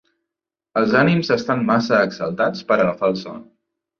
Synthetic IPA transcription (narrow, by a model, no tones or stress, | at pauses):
əlˠzanimzəst̪anmasəːksəlˠt̪at͡spəɾələfalˠsɔ̰n